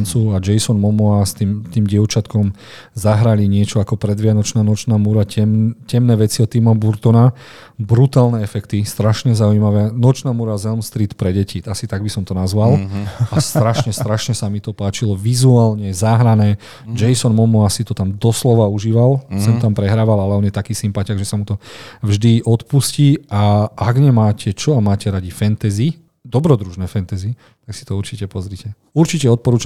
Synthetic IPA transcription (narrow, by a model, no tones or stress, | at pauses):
nt͡suad͡ʒɛjsɔnmɔmɔast̪imt̪iːmɟɪɛʊt͡ʃat̪kɔm | zaɦɾaliɲɪɛt͡ʃɔakɔpɾɛd̪ʋɪanɔt͡ʃnaːnɔt͡ʃnaːmuɾaɛmcɛmnɛːʋɛt͡siɔt̪ːimɔbuɾt̪ɔna | bɾut̪aːlnɛɛfɛkt̪ist̪ɾaʃɲɛzauimaʋɛːnɔt͡ʃnaːmuɾazɛlmst̪ɾiːt̪pɾɛɟɛciasit̪aɡ̚bisɔmt̪ɔnazʋalˠast̪ɾaʃɲɛst̪ɾaʃɲɛsamit̪ɔpaːt͡ʃilɔʋizuaːlɲɛzaːɦɾanɛː | d͡ʒɛjsɔnmɔmɔasit̪ɔt̪amd̪ɔslɔʋauʒiːʋalsɛnt̪ampɾɛɦɾaːʋalalɛɔnjɛt̪akiːsimpac̪aɡʒɛsamut̪ɔvʒd̪iʔɔt̪pusciaʔaɡɲɛmaːcɛt͡ʃɔamaːcɛɾaɟifɛnt̪ɛzi | d̪ɔbɾɔd̪ɾuʒnɛːfɛnt̪ɛzi | t̪aksi̥t̪ɔuɾt͡ʃicɛpɔzɾicɛ | uɾt͡ʃicɛɔt̪̚pɔɾuːt͡ʃa